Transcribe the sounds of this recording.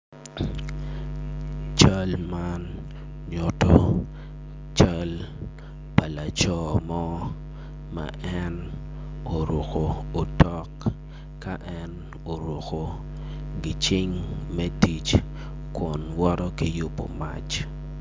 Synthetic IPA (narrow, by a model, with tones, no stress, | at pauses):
t͡ʃa˦lman | ɲo˦to˦ | t͡ʃa˦l | pa˨la˨t͡ʃɔ˦mɔ˦ | ma̰ʔɛ˦n | o˨ɾo˨ko˨o˨tɔ˦k | ka˦ʔɛn | o˨ɾo˨ko˨ | ɡɪ˨t͡ʃɪ˦ŋmɛ˦ti˨t͡ʃ | kʊ˨nwɔ˦ɾɔ˦kɪ˦jʊ˦po̰˨ma̰˦t͡ʃ